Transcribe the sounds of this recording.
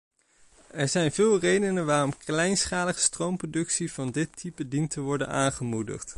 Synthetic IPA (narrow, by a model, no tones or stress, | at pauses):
ɛɹzɛjnvɪːlˠrejdənənʋaːrɔmklɛjnsχaːləχə̥strowmprodɵksivɑndɪtʰːipədintəʋɔɹdə̰naːnχəmudə̰χt